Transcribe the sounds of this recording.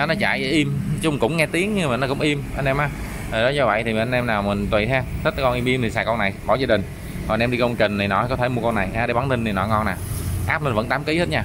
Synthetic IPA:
ɔ˨˦nɔ˨˦t͡ɕa̰ː˧˨jə˧˦ʔi˧m˦t͡ɕʊ˧wŋ͡mkʊ̰˧˥ŋ͡mŋɛ˧t̪i˨˦əŋɲɨ˧maː˨˩nɔ˨˦kʊ̰˧˥wŋ͡mʔi˧mʔə˧nʔɛ˧mʔaː˨˦ | o˨˩ɗɔ˨˦zɔ˧və̰˧˨jt̪ʰi˨˩mi˨˩ʔa˧nʔɛ˧mnaː˨˩wmi˨˩ŋ̟t̪wi˨˩ɦa˧t̪ʰə˦˥t̚kːa˨˧˩kɔ˧nʔi˧mʔi˧mt̪ʰi˨˩saː˨˩kɔ˧nːa˨˩jɓɔ˧˩zaː˧ɗï˨˩ŋ̟ | kɔ˨˩˨nɛ˧mɗi˧kə˧wŋ͡mt͡ɕï˨˩ŋ̟t̪ʰi˨˩nɔ˨˦kɔ˨˦t̪ʰe˧˩mu˧əkɔ˧nːa˨˩jaː˧˩ɗə˧jɓa˨˦nt̪ï˧ŋ̟t̪i˨˩nɔ˨˦jŋɔ˧naː˨˩ʔaː˦˥p̚lə˧nvə̰˧˥nt̪aː˨˦mki˨˦he˦˥t̚ɲaː˧

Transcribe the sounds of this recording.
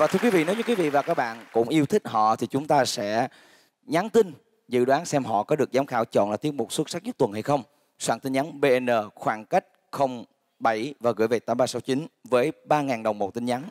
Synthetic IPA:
vaː˨˩t̪ʰɨ˧əkwi˨˦vḭ˧˨nɔ˨˦jɲɨ˨˧˥kwi˦vḭ˧˨vaː˨˩kaː˦˥k̚ɓa̰ː˧˨nkʊ̰˧˥ŋ͡mʔi˧əwt̪ʰï˦˥k̟̚hɔ̰˧˨t̪ʰi˨˩t͡ɕʊ˨˦ŋ͡mt̪aː˧sɛ̰˧˥ | ɲa˨˦nt̪ï˧n | zɨ̰˧˨ɗwaː˨˦nsɛ˧mɦɔ̰˧˨kɔ˨˦ɗɨ˨˩ək̚zaː˨˦mxaː˧˩wt͡ɕɔ̰˧˨nlaː˨˩t̪i˨˦əŋɓu˨˩swə˦˥t̚sa˦˥k̚ɲɨ˦˥k̚t̪wə˨˩nha˧jxə˧wŋ͡m | swaː˧˩ŋt̪i˧nɲa˨˦nɓe˧ʔɛ˧nəː˨˩xwaː˧˩ŋka˦˥jk̟̚xə˧wŋ͡m | ɓə˧˩jvaː˨˩ɣɨ̰˧˥˨jve˨˩t̪aː˨˦mɓaː˧sa˨˦wt͡ɕi˨˦nvəː˨˦jɓaː˧ŋaː˨˩nɗə˨˩wŋ͡mmo˨˩t̚t̪ï˧nɲa˨˦n

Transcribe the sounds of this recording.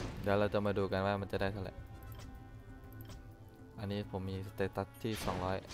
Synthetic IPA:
da˨la˧t̪u˧mə˧du˨ka˧nwaː˧ma˧nt̪ada˥jt̪ʰo˧lɛ̰˧˨ʔ | ʔani˦pʰo˨mi˧st̪e˧t̪a˧t̪ʰːi˥sɔ˨ŋlɔ˧˦j

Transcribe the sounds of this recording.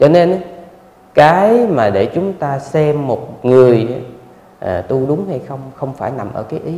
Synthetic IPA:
t͡ɕɔ˧ne˧n˨˦ | kaː˨˦jmaː˨˩ɗe˧˩t͡ɕʊ˨˦ŋ͡mt̪aː˧sɛ˧mːo˨˩t̚ŋɨ˨˩əjʔa˨˦ | ʔəː˨˩t̪u˧ɗʊ˨˦ŋ͡mha˧jxə˧wŋ͡mxə˧wŋ͡mfaː˧˩jna˨˩mʔə̰ː˧˩kaː˨˦jʔi˨˦

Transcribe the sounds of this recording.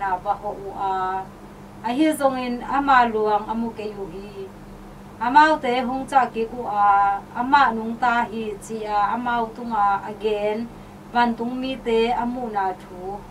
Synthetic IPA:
na˨ba˧hɔ˨ʔu˨ʔaː˨˧ | ʔɐ˧ɦi˦˥zɔ˧ŋi˧nɐ˦ma˧˨lu˨ɐŋʔɐ˨mu˧˨ke˨˦ju˨ʔɦi˧ | ʔɐ˨maː˦˧wt̪e˨˦ɦu˨˦ŋt͡sa˦˨ki˨˦k̚u˨ʔaː˨ʔɐ˦ma˨ʔnu˨˦ŋt̪aː˦ɦi˦t͡si˨ʔa˨ʔɐ˦maː˧wt̪u˧˦ŋa˨ɐ˨ɡɛː˨˦n | ba˨nt̪u˨˦ŋmi˦t̪ɛ˨˦ɐ˦mu˨ʔnaː˨tʰuː˦

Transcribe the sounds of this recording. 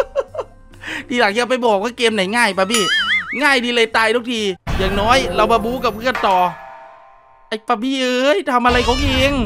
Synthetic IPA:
diː˧laː˨˩ŋʰki˧a˧wpa˧jbɔː˨˩k̚waː˧˥˩keː˧mna˨˩˦jŋaː˥˩jpaː˧biː˧˥˩ŋaː˥˩jdiː˧lɤː˧jt̪aː˧jdu˦˥˩kt̪ʰiː˧jaː˨˧˩ŋnɔː˦˥jɾa˧wmaː˧buː˧˥˦ka˨˩p̚kʰɯ˥˧˩ənt̪ɔː˨˩ | ʔa˧˩jpaː˧biː˥˩lɤəː˦˥jt̪ʰa˧mʔa˧ɾa˧jkʰɔː˨˦ŋʔeː˧ŋ

